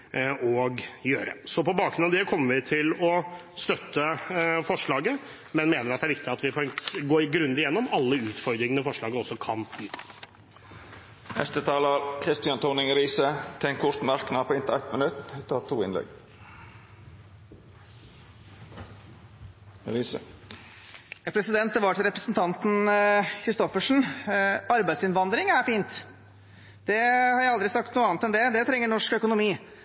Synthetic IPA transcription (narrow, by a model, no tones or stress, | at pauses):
ɔɡjøːɾə̰sɔpɔbɑːkɾʉnɑʋd̪ɛkʰɔmːəɾʋɪt̪ʰɪlɔ | st̪œt̪ːəfɔʂɭɑːɡə | mɛnmeːnəɾɑt̪d̪ɛæɾʋɪkt̪ɪɑt̪ʋɪpʰɔɛŋɡoːɡɾʉnd̪ɪjɛnːɔmɑlːəʉːt̪fɔɾd̪ɾɪŋənəfɔʂɭɑːɡəɔsːɔkʰɑnbyːt̪ | nɛ̰st̪ət̪ʰɑːləɾkʰɾɪst̪ɪɑnt̪ʰʊːnɪŋɾiːsət̪ʰɛŋkʰʊɾt̪mɑɾknɑːpʰɔːɪnt̪əɾæt̪mənʉt̪ːɛt̪ʰːɑːt̪ʰːuːɪ̰nlɛ̰ɡ | ɾə | pʰɾɛsɪd̪ɛnt̪d̪ɛʋɑʈʰɪlɾɛpɾəsnt̪ʰɑnt̪n̩kʰɾɪst̪ɔfəʂɳ̩ | ɑɾbæɪd̪sɪnʋɑnd̪ɾɪŋæɾfiːnt̪ | d̪̥ɛhɑɾjæɪɑld̪ɾɪsɑk̚t̪nuːɑːnt̪ɛnd̪ɛd̪ɛt̪ʰɾɛŋːəɳɔʂkœkʊnʊmiː